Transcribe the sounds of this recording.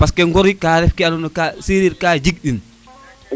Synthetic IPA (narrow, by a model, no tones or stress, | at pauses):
paskɛŋɡɔɾikaːɾɛfkɛanɔnɔkasiːɾiɾkaːd͡ʒiɡ̚ɗin